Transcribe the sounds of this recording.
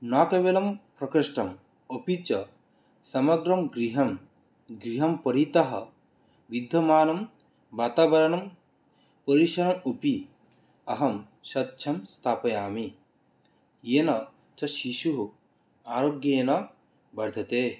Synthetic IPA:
naːkɐʋeːlɐmpɾɐkɾiʂʈɐm | opit͡ʃɐ | sɐmɐɡɾɐmɡɾiɦɐm | ɡɾiɦɐmpɐɾit̪ɐɦɐ | ʋid̪ʱːɐmaːnɐm | baːt̪aːʋɐɾɐnɐm | pɐɾiʃɐɾɐmopi | ɐɦɐm | ʃɐt̪̚ːt͡ʃʰɐmst̪ʰaːpɐjaːmi | jeːnɐ | t͡ʃɐʃiʃuɦu | aːɾoːɡjɐjeːnɐ | bɐɾd̪ʱɐt̪eː

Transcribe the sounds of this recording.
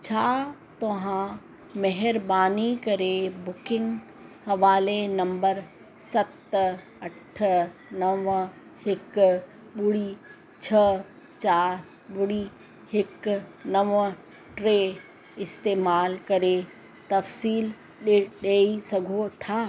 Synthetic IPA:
t͡ɕʰaːt̪ɐɦã | mɛɦɪɾbaːnikɐɾebʊkɪ̃ŋɡ | hɐʋaːlenɐ̃mbəɾ | sɐt̪ | ɐʈʰnɐʋ | hɪk | ɓʊɽi | t͡ɕʰɐ | t͡ɕaːɾ | ɓʊɽi | hɪknɐʋ | ʈɾe | ɪst̪eːmaːlkɐɾe | t̪ɐfsiːl | ɗɗeːisɐɡʱot̪ʰaː

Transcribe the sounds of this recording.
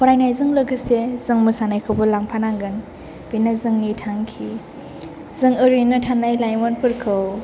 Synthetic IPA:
kʰɔɾajnajzɯŋlɯɡɯsezɯŋmɯsanajkʰɯwbɯlaŋpʰanaŋɡɯn | binazɯŋnitʰaŋkʰi | zɯŋɯɾɯnɯtʰanːajlajmɔnpɯɾkʰɯw

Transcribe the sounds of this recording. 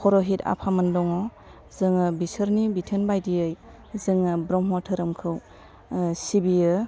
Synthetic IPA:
kʰɔɾɔɦita̰pʰamɯndɔŋɔ | zɯŋɯbisɯɾnibitʰenbajdiɯj | zɯŋɯbɾɔmɦɔtʰɯɾɯmkʰɯw | sibiɯ

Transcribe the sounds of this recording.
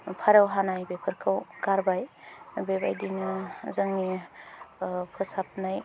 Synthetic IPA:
pʰaɾawɦanajbepʰɯɾkʰɯwɡaɾbaj | beba̰jdinɯzaŋni | pʰɯsap̚naj

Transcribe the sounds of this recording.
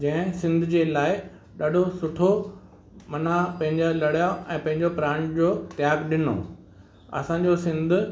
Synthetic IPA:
d͡ʑɐ̃ɦɪ̃sɪ̃nd̪ʱd͡ʑeːlaːɪ | ɗaːɖʱosʊʈʰo | mɐnapɐ̃ɦɪ̃ɲd͡ʑalɐɽjaʔɛ̃ːpɐ̃ɦɪ̃ɲd͡ʑopɾaːɳd͡ʑoːt̪jaːɡɗɪno̰ː | ɐ̰sãːɲd͡ʑosɪ̃nd̪ʱʊ̆

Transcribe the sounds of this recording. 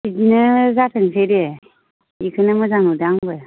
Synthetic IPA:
idinɯzatʰɯŋsʰeɾe | ikʰɯnɯmɯzanudaŋbɯ

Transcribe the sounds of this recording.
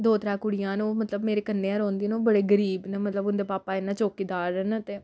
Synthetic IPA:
d̪oːt̪ɾaːkʊɽɪjãːnũːmət̪ləbmeːɾeːkənːeːãːɾõːnd̪iːnoːbəɽeːɡəɾiːbneːmət̪ləbʊnd̪eːpaːpaːɪnːãːt͡ʃoːkiːd̪aːɾɛnt̪eː

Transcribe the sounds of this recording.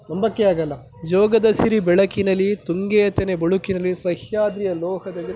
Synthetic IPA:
nɐmbɐkːeaːɡɐlːɐ | d͡ʒɔːɡɐd̪ɐsiɾibɛɭɐkinɐlːit̪uŋɡejɐt̪enebɐɭukinɐlːisɐhjaːd̪ɾijɐlɔːhɐd̪ɐɡ

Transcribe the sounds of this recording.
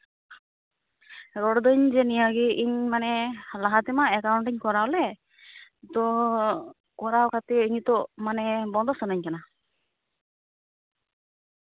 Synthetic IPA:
ɾɔɽd̪ɯɲd͡ʒɛnijaɡiʔiɲmanɛlaɦat̪ɛmaɛkawɳʈiɲkɔɾawlɛ | t̪ɔ | kɔɾawkʰat̪ɛiɲt̪ɔmanɛbɔnd̪ɔsɔnaɲkana

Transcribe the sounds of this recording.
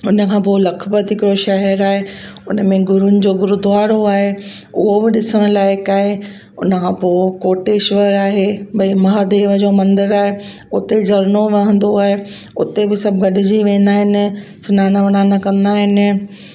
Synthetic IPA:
ʊnə̆kʰãːpoːlɐkʰbət̪ɦɪkɪɾoʃɐɦɛɾaːɦeʊnə̆mẽɡʊɾʊnɪ̆d͡ʑoːɡʊɾud̪ʊaːɾoaːɦe | ʊɦobɪɗɪsəɽ̃ʊ̆laːɪkaːɦe | ʊ̰nəkʰãːpoːkoːʈeːʃʋəɾaːɦebɐimɐɦaːd̪eːʋəd͡ʑoːmɐ̃nd̪ɪɾaːɦe | ʊt̪ed͡ʑɐɾnoʋɐɦə̃nd̪oaːɦe | ʊt̪ebɪsɐbɡɐɗɪd͡ʑiʋẽːnd̪aːɦɪnɪ̆sʊnaːnaʋɐnaːnɐkɐ̃nd̪aːɦɪnɪ̆

